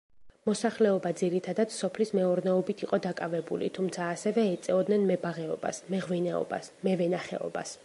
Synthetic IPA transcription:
mɔsaχlɛɔbad̪ziɾit̪ʰad̪at̪ssɔpʰlismɛɔɾnɛɔbit̪ʰiqʼɔd̪akʼavɛbṵlḭt̪ʰumt̪sʰaːsɛvɛɛt̪sʼɛɔd̪nɛnmɛbaʁɛɔba̰smɛʁvinɛɔ̰ba̰smɛvɛnaχɛ̰ɔ̰ba̰s

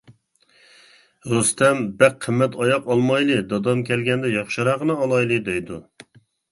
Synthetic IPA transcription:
ɾust̪ʰɛmbæqʰːəmːɛt̪ʰɑjɑqɑlˠmɑjlˠɨd̪ɑd̪ɑmkʲʰɛlɡʲɛnd̪ɛjɑχʃɨɾɑʁənɨɑlˠɑjlˠɨd̪ɛjd̪u

